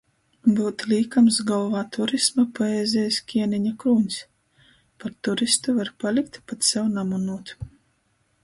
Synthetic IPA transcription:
buːt̪lʲiːkamsɡɔlˠvaːt̪uɾismapɔɛːzʲɛjskʲiɛniɲakɾuːɲʲs | paɾt̪uɾist̪uvaɾpalʲikt̪pat̪sɛwnamunuːt̪

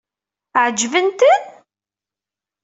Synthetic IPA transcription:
ʕəd͡ʒvənt̪ən

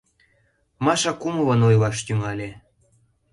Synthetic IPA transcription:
mɑʃɑkumɤ̆vɤ̆nojlɑʃt̪yŋɑlʲe

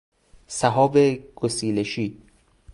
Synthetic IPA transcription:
sæɦɒːbeɡ̥osiːleʃiː

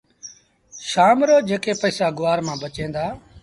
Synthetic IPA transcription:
ʃaːmɾoːd͡ʒeːkeːpəːsaːɡʊʋaːɾmãːbət͡ʃẽːnd̪aː

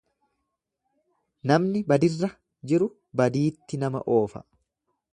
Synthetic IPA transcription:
nɐmnɪbɐd̪ɪrːɐ | d͡ʒɪɾʊ | bɐd̪iːt̪ːɪnɐmɐ̰ʔo̞ːfɐ̰

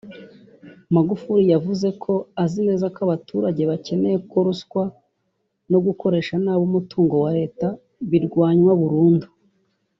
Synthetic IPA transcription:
maɡufuɾijavuze̞kʰo̞azine̞ːzakaβatuːɾaɟe̞βace̞ne̞jeko̞ɾuskwa | no̞ɡuko̞ɾe̞ːʃanaːβumutuːŋɡo̞waɾe̞ːta | βiɾɡwaːɲwaβuɾuːndu̥

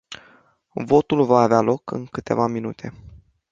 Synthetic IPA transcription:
vo̞t̪ulvaːvealo̞kɨ̰ŋkɨt̪e̞̰vaminut̪ʰe̞

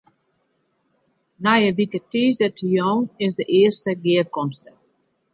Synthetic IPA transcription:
najəʋikətiːzdətʰijɔŋɪsdəʔɪəstəɡɪərkɔmstə

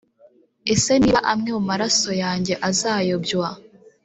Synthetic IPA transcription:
e̞se̞niːaʔamŋemumaɾaso̞jaːɲɟe̞ʔazaːjo̞bɟwa

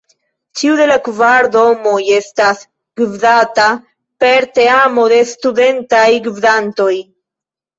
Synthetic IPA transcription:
t͡ʃiude̞lakvaɾdo̞mo̞je̞stas | ɡivdata | pe̞ɾte̞amo̞de̞stude̞ntajɡivdanto̞j

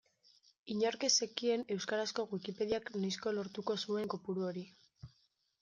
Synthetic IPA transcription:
iɲoɾke̞sekie̞ne̞wskaɾasko̞ɣwikipe̞ðiaknajsko̞lo̞ɾt̪uko̞sue̞ŋko̞puɾuo̞ɾi

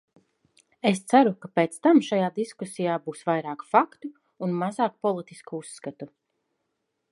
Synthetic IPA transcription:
est̪saɾukapeːt̪st̪amʃajaːd̪iskusijaːbuːsvajɾaːkfakt̪uː | nmazaːk̚pɔlˠit̪iskuusːkat̪u

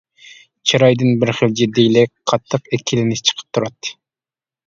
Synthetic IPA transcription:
t͡ʃʰiɾɑjd̪ɨnbɪɾχəld͡ʒid̪ːejlɪqʰɑt̪ʰːɨqekʲʰilɪnɪt͡ʃʰə̥qʰə̥p̚t̪ʰuɾɑt̪ːɨ̥

